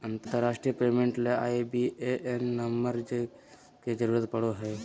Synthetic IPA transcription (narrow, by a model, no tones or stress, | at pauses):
ənt̪t̪əɾːaːʃʈɾijəpeːmẽɳʈleaːibieʔenːəməɾd͡ʒ | ked͡ʒəɾuːɾət̪pəɽoɦɛː